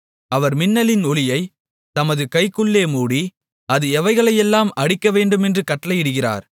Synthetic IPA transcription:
ɐʋɐɾmɪnːɐlɪnɔlɪjɐɪ | t̪ɐmɐðɯkɐɪkːɯɭːeːmuːɽi | ɐðɯɛʋɐɪɣɐɭɐjɛlːaːmɐɽɪkːɐʋeːɳɖɯmɛndrɯkɐʈːɐlɐɪjɪɽɯɣɪra̰ːɾ

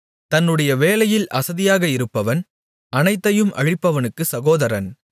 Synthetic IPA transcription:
t̪ɐnːɯɽɐjɐʋeːlɐjɪlʔɐsɐðɪjaːɣɐɪɾɯpːɐʋɐn | ɐnɐɪt̪ːɐjɯmʔɐ̰ɻɪpːɐʋɐnɯkːɯsɐɣoːðɐɾɐn

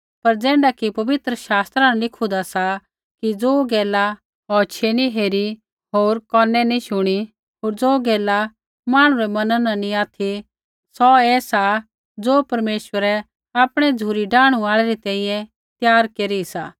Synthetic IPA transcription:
pɐɾd͡zɛ̃ːɳɖakipɐʋɪt̪ɾəʃaːst̪ɾanalɪkʰud̪asa | kid͡zoːɡɛːla | ɔt͡ʃʰeniɦeːɾi | ɦoːɾkɔːnɛnĩʃʊɽ̃i | ɦoːɾd͡zoːɡɛːla | maːɽ̃ũɾɛmɐnãnanĩaːt̪ʰi | sɔɛːsa | d͡zoːpɐɾmeːʃwəɾɛ | aːpɽ̃ɛd͡zʱuːɾiɖaːɽ̃uaːɭɛɾit̪ɛ̃ːĩːjɛ̃ | t̪jaːɾkeːɾisa̰ː

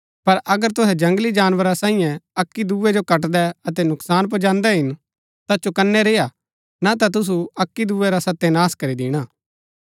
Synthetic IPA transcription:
pɐɾʔɐɡəɾt̪ʊɦɛd͡ʒɐ̃ŋɡlid͡ʒaːnʋəɾasãːijɛ̃ɐkːid̪uːʋɛd͡ʒokɐʈ̬d̪ɛɐt̪ɛnʊksaːnp̬ɐd͡ʒãːnd̪ɛɦɪn | t̪at͡ʃokɐnːɛɾeːja | nat̪̬at̪̬ʊs̬uɐkːid̪uːʋɛɾasɐt̪ːɛnaːskɐɾid̪ɪːɽ̃aː

